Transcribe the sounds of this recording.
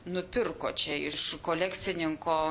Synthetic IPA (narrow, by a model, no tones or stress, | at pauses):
nʊpʲɪrkoːt͡ʃʲɛɪʃkoːlʲækt̪sʲɪnʲɪŋkoː